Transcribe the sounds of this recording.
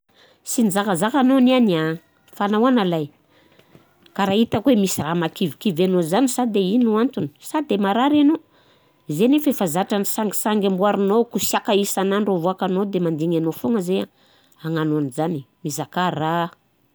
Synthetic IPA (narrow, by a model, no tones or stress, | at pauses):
sind͡zakazakanoniana | fanawanalaj | kaɾait̪əkwemisiramakivikivanozanisad̪einuant̪uni̥sad̪emaɾaɾano | zenefefazaʈ͡ʂanisaŋɡi̥saŋɡʲambuaɾinokusiakaisanaɳɖ͡ʐovoakanod̪emand̪iŋanofoŋəzea | aŋanoanizanimizakara